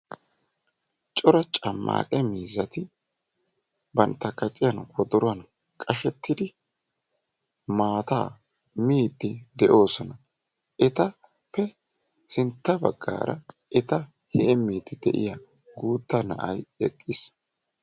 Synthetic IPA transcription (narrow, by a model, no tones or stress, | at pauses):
t͡ʃʼɔɾɐt͡ʃʼɐmːa̰ːkʼɛmiːzːɐt̪ɪ | bɐnt̪ːɐkɐt͡ʃʼɪjɐnwɔd̪ɔɾʊɐn | kʼɐʃɛt̪ːɪd̪ɪ | maːt̪aː | miːd̪ːɪd̪ɛʔo̞ːsɔnɐ | ʔɛt̪ɐ | pːɛ | sɪnt̪ːɐbɐ̰ɡːa̰ːɾɐ̰ | ʔɛt̪ɐ | hɛʔɛmiːd̪ːɪd̪ɛ̰ʔɪ̰ja | ɡuːt̪ːɐnɐʔɐjɛkʼːɪs